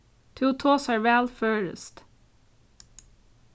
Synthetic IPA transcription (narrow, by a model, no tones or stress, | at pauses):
t̪ʰuːt̪ʰoːsæːɹʋæːlføːɹə̰st̪